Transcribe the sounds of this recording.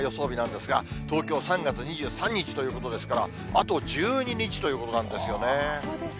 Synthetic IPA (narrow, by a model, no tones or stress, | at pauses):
jo̞so̞ːbʲinãnd̪e̞sɨɡa̰t̪o̞ːkʲo̞ːsãŋɡat͡sɨɲ̟iʑɨːsãɲ̟ːit͡ɕi̥t̪o̞jɯ̟ːko̞t̪o̞d̪e̞sɨ̥kaɾa | at̪o̞d͡ʑɨːɲ̟iɲ̟it͡ɕi̥t̪o̞jiɯ̟ːko̞t̪o̞nãnd̪e̞sɨjo̞ne